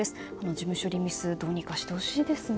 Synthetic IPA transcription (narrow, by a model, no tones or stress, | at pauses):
esɨ̥ano̞d͡ʑimɯ̟ɕo̞ɾʲimʲisɨd̪o̞ːɲ̟ikaɕi̥t̪oːɕid̪e̞sɨ